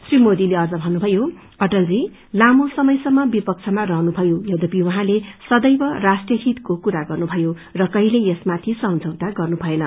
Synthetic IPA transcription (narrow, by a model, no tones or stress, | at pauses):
srimod̪ileʌd͡zʌbʱʌnːubʱʌjo | ʌʈʌld͡zi | lamosʌmʌjsʌmːʌbipʌk̚t͡sʰʌmarʌɦnubʱʌjojʌwd̪ʌpiwʌɦãlesʌd̪ʌjbʌrasʈrjʌɦit̪kokuɾaɡʌrnubʱʌjo | rʌkʌɦileesmat̪ʰisʌmd͡zʱʌwt̪aɡʌrnubʱʌenʌ